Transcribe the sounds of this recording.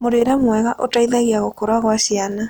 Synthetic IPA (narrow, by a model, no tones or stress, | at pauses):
moɾeɾamwɛɣaʔotaiðaɣiaɣokoɾaɣwaɕiana